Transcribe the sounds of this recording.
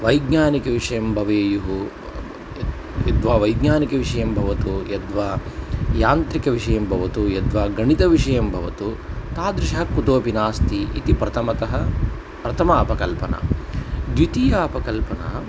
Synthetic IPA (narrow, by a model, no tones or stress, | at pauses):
ʋɐjɡɲaːnikɐʋiʂɐjɐmbʱɐʋɐɐjuɦu | jɐd̪ʋaːʋɐjɡɲaːnikɐʋiʂɐjɐmbʱɐʋɐt̪ujɐd̪ʋaːjaːnt̪ɾikɐʋiʂɐjɐmbʱɐʋɐt̪ujɐd̪ʋaːɡɐɳit̪ɐʋiʂɐjɐmbʱɐʋɐt̪ut̪aːd̪ɾɪʂɐɦɐkut̪oːpinaːst̪iʔḭt̪ipɾɐt̪ʰɐmɐt̪ɐɦɐ | pɾɐt̪ʰɐmɐɐpɐkɐlpɐnɐ̰d̪jut̪ijaɐpɐkɐlpɐna̰ː